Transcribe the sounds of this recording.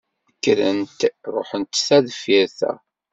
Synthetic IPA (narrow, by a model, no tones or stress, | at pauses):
kːɾənt̪ɾˤo̰ħənt̪θæðfiɾθæ̰